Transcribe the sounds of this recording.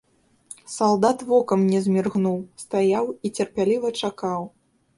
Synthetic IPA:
salˠd̪at̪vɔkɐmnʲɛzʲmʲirɣnuwst̪ajawit͡sʲɛrpʲalʲivɐt͡ʂakaw

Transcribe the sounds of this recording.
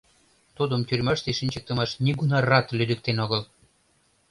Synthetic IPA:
t̪ud̪əmt̪yrʲmɑʃt̪eʃinʲt͡ɕək̚t̪əmɑʃnʲiɡunɑrɑt̪lyd̪ək̚t̪enoɣəl

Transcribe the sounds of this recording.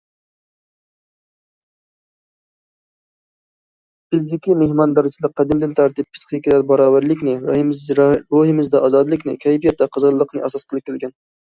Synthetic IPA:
b̥ɪzd̪ɪkʲimehmɑnd̪ɑɾɪt͡ʃʰilˠəq̚qʰːɑd̪ɪmd̪ɪnt̪ʰæɾt̪ip̚pʰːɨ̥sχʰjkʲʰilæɾbɑɾɑːwæɾlˠɪkʲnɪ | ɾohɪmɪzd̪ɛʔɑzɑd̪ɨlˠɨkʲnɪ̰kʲʰɛjpijɛt̪̚d̪ɛqʰəzʁəlˠːəqnɨʔɛsɑsqəlˠɨp̚kʲelˠɡʲɛn

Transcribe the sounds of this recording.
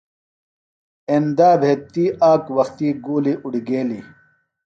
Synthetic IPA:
end̪aːbʱeːt̪ːiːʔaːkwɐxt̪iːɡuːliʔuɽiɡeːlḭ

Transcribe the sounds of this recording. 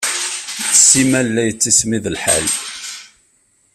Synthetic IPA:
əsimælːæjət͡sːismiðəlħa̰l

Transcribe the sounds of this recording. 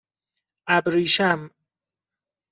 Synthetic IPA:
ʔæbɾiːʃæm

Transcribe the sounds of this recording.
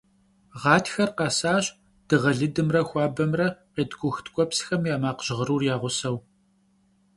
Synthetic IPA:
ʁɑːtʰxɐrqɑsaːɕ | d̥ɨʁɐɮɨdɨmrɐxʷɑːbɐmrɐqeːdɡʷʼʊxtʰkʷʼɔpsxɐmjaːmaːqʑ̥ɪʁəɾuːrjaːʁʷʊsɐw

